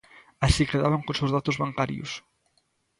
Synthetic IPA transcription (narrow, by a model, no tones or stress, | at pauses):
asikeðaβaŋkõnsewzðat̪ʊzβaŋkaɾj̰ʊ̰s